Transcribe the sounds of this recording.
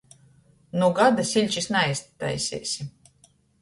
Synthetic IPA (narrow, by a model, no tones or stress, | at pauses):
nuɡad̪asʲilʲt͡ʃisnajst̪t̪ːa̰jsʲḛːsʲi